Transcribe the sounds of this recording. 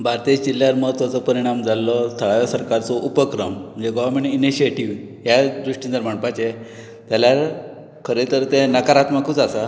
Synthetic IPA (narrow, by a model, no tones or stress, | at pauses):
bʱaɾt̪id͡ʑd͡ʑiljaɾməɦət̪ʋat͡sɔpəɾiɽ̃amd͡zalːɔst̪ʰəɭajɔsəɾkaɾt͡sɔʔupəkɾəmm̤ənd͡ʑeɡɔʋəɾmeɳʈiniɕieʈiʋ | ɦjad̪ɾuʂʈĩnd̪əɾm̤əɳpat͡ɕe | t̪jaljaɾ | kʰəɾet̪əɾt̪enəkaɾat̪makut͡sasa